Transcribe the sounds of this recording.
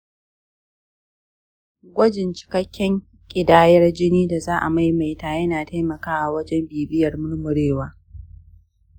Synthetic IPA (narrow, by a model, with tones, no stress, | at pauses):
ɡʷɐ˦d͡ʒɪ˨nt͡ʃɪ̥˨kɐ˦kʲʰːɛ˦ŋ | kʲʼɪ˨daː˦jɐ˦rd͡ʒɪ˦niː˦da˨zaː˦ʔa̰˨ma˦jma˨jtaː˨jɐ˦naː˨ta˦jmɐ˨kaː˦ʔa˨wɐ˦d͡ʒɛ˦mbiː˨bɪ˦jɐ˨rmʊ˦ɽmʊ˨ɽeː˦waː˦